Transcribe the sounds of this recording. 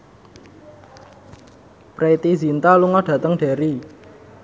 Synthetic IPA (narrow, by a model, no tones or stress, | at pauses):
pɾeit̪izint̪aluŋɔɖ̥ä̤t̪əŋɖ̥a̤ɾi